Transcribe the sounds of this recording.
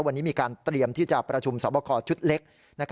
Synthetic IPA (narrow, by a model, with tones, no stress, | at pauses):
wa˧nːiː˦˥miː˧kaː˧nt̪ɾi˧əmt̪ʰiː˥˩t͡ɕa˨˩pɾa˧t͡ɕʰu˧msɔ̰ː˩˦bɔ˧kʰɔː˧t͡ɕʰu˦˥t̪̚le˦˥k̚ | na˦˥kʰ